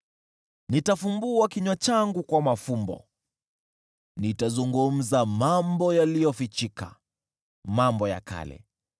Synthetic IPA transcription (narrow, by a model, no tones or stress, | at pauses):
nitafumbuakiɲwat͡ʃaŋɡukwamafumbɔ̰ | nitazuŋɡum̩zamambɔjalijɔfit͡ʃika | mambɔja̰ka̰lɛ̰